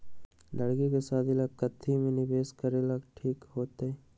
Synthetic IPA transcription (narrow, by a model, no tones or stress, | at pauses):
lɐɽkikesaːd̪ɪlaɡkət̪ʰːimẽnɪbeːskəɾelɐɡʈʰiːkɦoːt̪eɛː